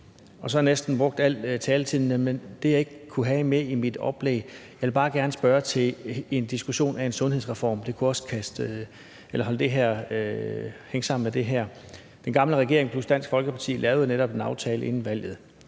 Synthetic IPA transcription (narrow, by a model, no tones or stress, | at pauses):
ɒ̽sɒ̽nesd̥n̩b̥ʁɔ̽ɡ̥̚d̥æl̰t͡sʰɛːlət͡sʰið̰ˠn̩əmend̥e̝jɑ̈e̝ɡ̥əkʰːuɦɛmeimid̥ɒ̽b̥leɡjɑ̈ʋelb̥ɑ̈ːɡ̥æɐnəsb̥ɶːɐt͡sʰe̝le̝nd̥isɡ̥uɕo̝̰ːnæe̝nsɔ̽nɦe̝ðˠsʁɛfɒ̰ːmd̥e̝kʰuɒ̽skʰæsd̥ | elɐɦɒ̽ləd̥e̝ɦæɐ̰ | heŋəsɑ̈m̰n̩med̥e̝ɦæɐ̰ | d̥enɡ̥ɑ̈mləʁɛɡ̥e̝ɐ̰eŋpʰlusd̥æn̰sɡ̥fɒ̽lɡ̥əpʰɑ̈t͡sʰḭːlʔɛːʊð̞̩ˠneɾɒ̽b̥e̝nɑ̈ʊt͡sʰɛːləe̝n̩ʋæl̰jð̩ˠ